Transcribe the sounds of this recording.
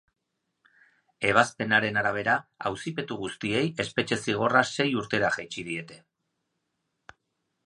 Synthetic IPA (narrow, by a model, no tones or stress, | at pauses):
e̞β̞aspe̞naɾe̞naɾaβ̞e̞ɾaa̰wsipe̞t̪uɣust̪ie̞je̞spe̞t͡ʃe̞siɣ̞o̞rase̞juɾt̪e̞ɾaʝajt͡ʃið̞ie̞t̪e̞